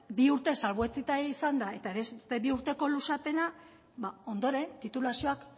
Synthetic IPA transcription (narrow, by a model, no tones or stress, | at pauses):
biuɾt̪e̞salβoet͡sit̪aisand̪ae̞t̪aβe̞sst̪e̞βiuɾt̪e̞ko̞lusape̞na | bao̞nd̪o̞ɾe̞nt̪it̪ulasio̞ak